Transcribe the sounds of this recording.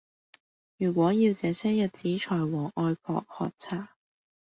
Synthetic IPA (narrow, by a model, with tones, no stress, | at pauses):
jyː˨˩kʷwɔː˨˥jiː˧wt͡sɛː˨˧sɛː˥jɐ˨t̚t͡siː˨˥t͡ʃʰɔː˨˩jwɔː˨˩ʔɔː˧jkʰɔ̰ː˧k̚hɔ̰ː˨k̚t͡sʰaː˨˩